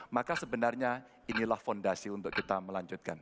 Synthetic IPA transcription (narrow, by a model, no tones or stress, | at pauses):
makasəbənarɲa | inilahfondasiunt̪ʊkːit̪aməlaɲd͡ʒut̪̚ka̰n